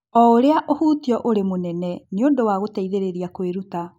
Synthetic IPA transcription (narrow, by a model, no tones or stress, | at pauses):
ɔoɾeaʔohuːtiɔʔoɾemonɛnɛneondowaɣotaiðeɾeɾiakweɾuta